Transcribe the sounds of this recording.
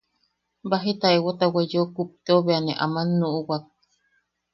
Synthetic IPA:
baɦit̪aewot̪awejokup̚t̪eoβeaneʔa̰manːuʔuwak̚

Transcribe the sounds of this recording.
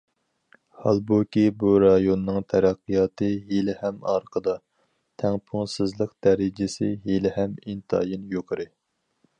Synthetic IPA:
hɑlˠbukʲibuɾɑjonːɨŋt̪ʰæɾæqːijɑːt̪ɨɦelɪhɛmɑ̰ɾqʰəd̪ɑ | t̪ʰɛŋpʰʊŋsɪzlˠəqd̪̥ɛɾɪd͡ʒɪsɪɦelɪhɛmint̪ʰɑ̰ːjinjoqʰɨɾɨ

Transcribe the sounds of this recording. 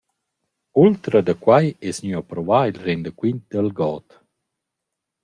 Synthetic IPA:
ult̪ɾəd̪əkwajɛsɲyapɾɔvailrend̪əkwint̪̚d̪əlɡɔːt̪

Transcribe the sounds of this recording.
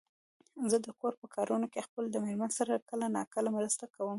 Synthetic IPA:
zəd̪əkoɾpəkʰɑɾʔunokexpəld̪əmeɾmansaɾakəlanɑkəlamɾəst̪akawəm

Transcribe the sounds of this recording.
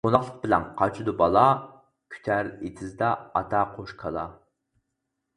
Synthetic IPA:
onɑχlˠəq̚bɪlɛ̰nqʰɑt͡ʃʰud̪ubɑlˠɑ | kʲʰy̥t̪ʰæɾet̪ʰɪzd̪ɑɑt̪ʰɑqʰoʃkʰɑlˠɑ̰

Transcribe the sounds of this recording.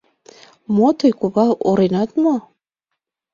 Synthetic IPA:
mot̪ɤjkuβɑoɾenɑt̪mo

